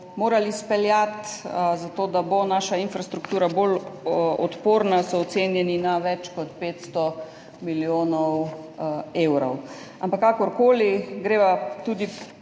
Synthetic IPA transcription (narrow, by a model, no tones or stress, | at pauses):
moːɾalispɛljat̪zat̪oːd̪abonaːʃainfɾast̪ɾukt̪uːɾabolɔ̰t̪poːɾnasɔːt̪seːnjɛninaʋɛt͡ʃkɔt̪peːt̪st̪ɔ | miljoːnɔw | eːwɾɔw | ampakːakɔɾkoːliɡɾeːʋat̪uːd̪i